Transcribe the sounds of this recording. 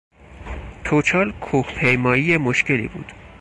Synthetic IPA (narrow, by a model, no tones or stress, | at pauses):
t̪ʰot͡ʃʰɒːlkʰuhpʰejmɒːijemoʃke̞lḭbṵːd̪̥